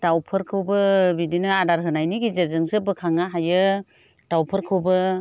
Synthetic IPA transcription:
d̥awpʰɯɾkʰɯwbɯbidinɯadaɾɦɯnajniɡizezɯŋsɯbɯkʰaŋaɦajɯ | d̥awpʰɯɾkʰɯwbɯ

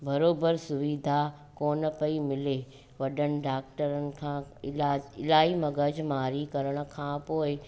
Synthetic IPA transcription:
bɐɾoːbəɾsʊʋiːd̪ʱa | koːnə̆pɐimɪle | ʋɐɗənɪ̆ɖaːk̚ʈəɾənɪ̆kʰãːɪlaːɪlaːɦimɐ̃ɡəd͡ʑʱmaːɾikɐɾəɽ̃ʊ̆kʰãːpoːɪ

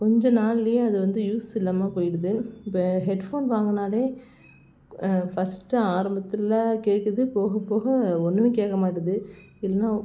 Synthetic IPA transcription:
kɔɲd͡ʒɔ̃naːlɪlɪjɐ̃ɐðɯʋɐnd̪ɯjuːsɪlːɐːmaːpoːjɪɽɐðɯɪpːɐɦɛɖfoːnʋaːŋɡɐnaːleː | fɐsʈːɯaːɾɐmbɐt̪ːɪãkeːʈkːɐðɯpoːɣɐpːoːɣɐɔnːɯʋeːkeːkːɐmaːʈːɐðɯ | ɪlːɐnːaː

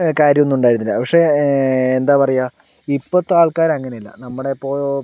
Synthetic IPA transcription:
kaːɾjɐmonːuuɳɖaːjɾunːilːɐpɐkʂe̞end̪aːpɐrɐjːaː | ipːɐt̪ːaːɭkaːɾɐŋːɐne̞jilːɐ̰nɐmːuɽe̞pːoː

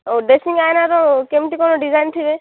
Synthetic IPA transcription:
oɖesiŋɡajnaɾɔkemʈikɔnɔɖizajnʈ̪ʰibe

